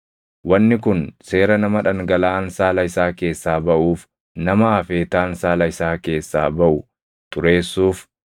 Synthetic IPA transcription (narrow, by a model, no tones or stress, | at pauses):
wɐnːɪkʊnse̞ːɾɐnɐmɐᶑɐŋɡɐlaːnsaːlɐɪsaːke̞ːsːaːbɐʔuːf | nɐmɐːfeːt̪aːnsaːlɐɪsaːke̞ːsːa̰ːbɐʔʊ | t̪ʼʊɾe̞ːsːuːf